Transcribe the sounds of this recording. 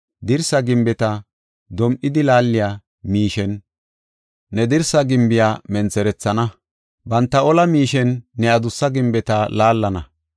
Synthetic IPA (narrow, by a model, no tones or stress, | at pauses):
d̪ɪɾsɐɡɪmbɛt̪ɐ | d̪ɔmʔɪd̪ɪlaːlːɪjaː | miːʃɛn | ɛd̪ɪɾsɐɡɪmbɪjaːmɛnt͡sɛɾɛt͡sːɐnɐ | bɐnt̪ːɐɔlɐmiːʃɛnːɛɐd̪ʊsːɐɡɪmbɛt̪ɐlaːlːɐnɐ